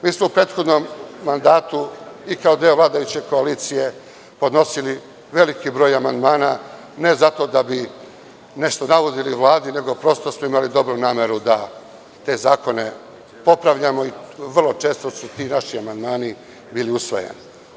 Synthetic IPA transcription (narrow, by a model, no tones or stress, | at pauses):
miːsmoupɾe̞ːt̪xo̞d̪nomːand̪aːt̪uikaod̪eoʋlˠaːd̪ajut͡ɕe̞ko̞aliːt̪sije̞ | po̞d̪no̞sili | ʋe̞likibɾo̞ːjamand̪maːna | ne̞zat̪o̞ːd̪abi | ne̞ʃt̪o̞naʋod̪iliʋlˠaːd̪ine̞ɡo̞pɾo̞ːst̪osmoimalid̪o̞bɾunaːmeɾud̪a | t̪e̞ːzaːko̞ne̞ | po̞pɾaʋʎamoiʋr̩lˠo̞t͡ʃe̞ːst̪o̞sut̪iːnaʃiamand̪maːni | biːliusʋo̞̰jḛni